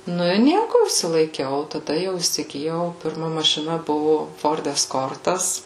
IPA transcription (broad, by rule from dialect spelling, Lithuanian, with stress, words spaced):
ˈnʊ ɪ ˈnʲiɛkʊ ɪʃʲsʲɪlˠɐɪˈkʲɛʊ oː tɐˈdɐ jɛʊ iːsʲɪɡʲɪˈjɛʊ pʲɪrˈmɐ mɐʃʲɪˈnɐ ˈbʊʋoː ˈfoːrt ɛsˈkoːrtɐs